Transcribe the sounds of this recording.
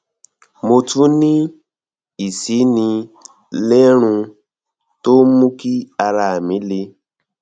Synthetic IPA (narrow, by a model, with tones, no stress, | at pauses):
mo˧tu˦nĩ˦ | i˨si˨˦nĩ˧ | lɛ˦ɾ̃ũ˧ | to˦mũ˦ki˦a˧ɾa˧˨a˨mĩ˨˦le˧˦